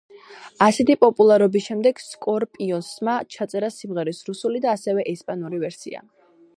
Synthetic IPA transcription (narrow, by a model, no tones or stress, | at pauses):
asɛt̪ʰipʼɔpʼulˠaɾɔbisʃɛmd̪ɛɡ̥skʼɔɾpʼiɔnsmat͡ʃʰat̪sʼɛɾasimʁɛɾisɾusulid̪aːsɛvɛʔɛspʼanuɾivɛɾsḭa̰